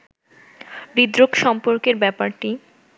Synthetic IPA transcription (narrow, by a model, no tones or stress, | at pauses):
bɾid̪ɾokʃɔmpoɾkeɾbɛpaɾʈi